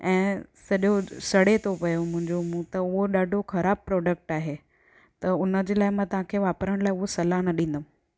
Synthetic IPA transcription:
ɛ̃ːsɐɗjosɐɽet̪ʰopɐjomʊ̃ɦɪ̃ɲd͡ʑomũt̪ɐʊɦoɗaːɖʱoxɐɾaːb̚pɾɔːɖək̚ʈaːɦeː | t̪ɐʊnəd͡ʑeːlaːɪmãːt̪ɐɦãkʰeːʋaːpɾəɽ̃laːɪʊɦosɐlanɐɗĩːnd̪əm̃

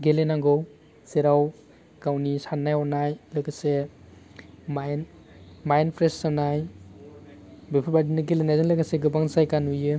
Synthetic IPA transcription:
ɡelenaŋɡɔw | seɾaw | kawnisanːajɔnajlɯkase | majn | majnpʰɾessanaj | bepʰɯbadinɯɡelenajzɯŋlɯɡaseɡɯbaŋzajkanujɯ

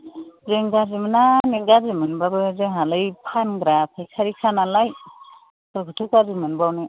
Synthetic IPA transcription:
zeŋɡazimɯnaniɡazimɯnbabɯzeŋɦalɯjpʰanɡɾap̚ʰajkʰaɾikʰanalaj | ɯɡʰɯtʰɯkazimɯnbawnɯ

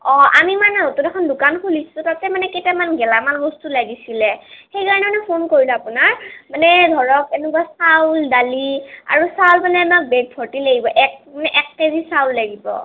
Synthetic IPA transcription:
ɔ̃ʔa̰mimanɛotudɛkʰɔndʊkankʰulisʊ̃tatɛmanɛkejtamanɡɛlamanbɔstulaɡisilɛxejkaɹɔnɛmanɛpʰonkoɹilɛapunaɹmanɛdʱɔɹɔk̚ɛnukwasawldalia̰ɹusawlmanɛamak̚bɛɡ̚pʰɔɹtilaɡibɔʔɛk̚manɛʔɛk̚kezisawlːaɡibɔ̰

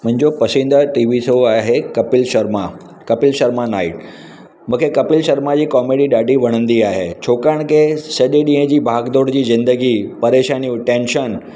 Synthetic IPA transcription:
mʊ̃ɦɪ̃ɲd͡ʑopɐsĩːnd̪aʈiːʋisoaːɦekɐpɪlʃɐɾma | kɐpɪlʃɐɾmanaːɪʈ | mũːkʰekɐpɪlʃɐɾmad͡ʑiːkɔːmeːɽiɗaːɖʱiʋɐɽ̃ə̃nd̪iaːɦḛːt͡ɕʰoːkaɽ̃kʰesɐʄeɗĩːɦə̃d͡ʑiːbʱaːɡd̪oːɽd͡ʑiːzɪ̃nd̪əɡipɐɾeːʃaːnijũʈẽːnʃən

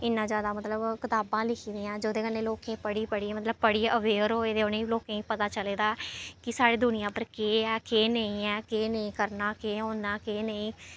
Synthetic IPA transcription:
ɪnːãːzjaːd̪aːmət̪ləbkɪt̪aːbãːlɪkʰiːd̪iːãːd͡ʒoːd̪eːkənːeːloːkẽːpəɽiːpəɽiːmət̪ləb̚pəɽiːəʋeːɾoːeːd̪eonẽiːloːkẽːiːpət̪aːt͡ʃəleːd̪aːkɪsaːɽeːd̪ʊnɪjãːpəɾkeːɛːkeːnəĩːɛːkeːnəĩːkəɾnaːkeːɦoːnaːkeːnəĩː

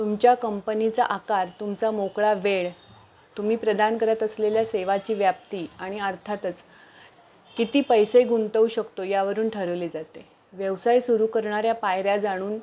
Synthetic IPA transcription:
t̪umt͡ɕjakəmpənit͡saʔakaɾt̪umt͡samokɭaʋeɭ | t̪um̤iːpɾəd̪ʱankəɾat̪əsleljaseʋat͡ɕiːʋjap̚t̪iːaɽ̃iəɾt̪ʰat̪ət͡s | kit̪iːpəjseɡunt̪əuɕəkt̪ojaʋəɾuːnʈʰəɾəʋled͡zat̪e | ʋjəʋsajsuɾukəɾɳaɾjapajɾjad͡zaɽ̃uːn

